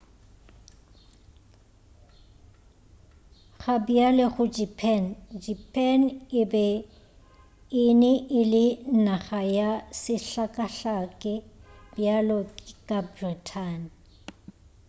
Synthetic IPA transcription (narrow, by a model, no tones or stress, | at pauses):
χabjalɛχʊd͡ʒipʰɛnd͡ʒipʰʼɛnɪbɛ | ɪnɪʔɪlɪnaχajasɪɬakʼaɬakʼɛbjalɔkkʼabritʰan